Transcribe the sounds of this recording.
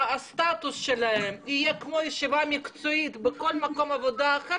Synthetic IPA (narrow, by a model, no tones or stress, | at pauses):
ast̪at̪usʃelahemijekmojeʃivamikt͡soit̪beko̞lmakomavod̪aːχe